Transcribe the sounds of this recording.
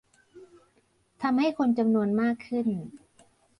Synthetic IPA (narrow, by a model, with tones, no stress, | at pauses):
t̪ʰa˧mha˥˩jkʰo˧nt͡ɕa˧mnu˧ənmaː˥˩kʰːɯ˥˩n